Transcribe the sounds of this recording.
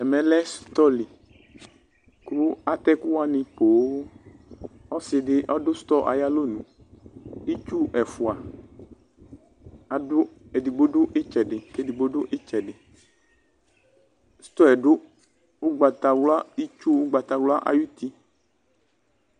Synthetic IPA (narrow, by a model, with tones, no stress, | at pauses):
ɛ˨mɛ̃˨lɛ˦st̪ɔ˦li˨ | ku˦a˨t̪ɛ˦ku˦wa˦nɪ̃˧po˨˦ | ɔ˦sɪ˨ɖɪ˦ʔɔ˦dʊ˦st̪ɔ˦ʔa̰˨ja˦lo˦nũ˨ | i˦t͡ʃu˦ɛ˨fu˨a˨ | a˨dʊ˦e˨di˨ɡ͡bo˦ɖʊ˦ʔɪ˦t͡ʃɛ˨ɖɪ˨ke˦di˨ɡ͡bo˦ɖʊ˦ʔɪ˦t͡ʃɛ˨ɖɪ˨ | st̪ɔ˦ɛ˨ɖʊ˦ | wʊ˦ɡ͡ba˨t̪a˨wla˦i˦t͡ʃu˦wɡ͡ba˨t̪a˨wla˦ʔa̰˨ju˦t̪i˦